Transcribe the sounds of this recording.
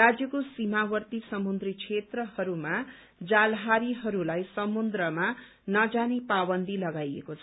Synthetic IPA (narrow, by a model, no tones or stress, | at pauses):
rad͡zjʌkosimawʌrt̪isʌmund̪rikt͡sʰet̪rʌhʌɾuma | d͡zalɦaɾiɦʌɾulajsʌmund̪rʌma | nʌd͡zanepabʌnd̪ʱilʌɡajḛkot͡sʰʌ